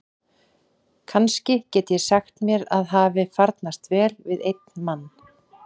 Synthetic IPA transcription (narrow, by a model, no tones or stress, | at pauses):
kʰanscɪcɛːt̪ʏjɛsaxt̪mjɛɾaðɦaːvɪfaɾt̪nast̪vɛːlvɪðejt̪̚nmanː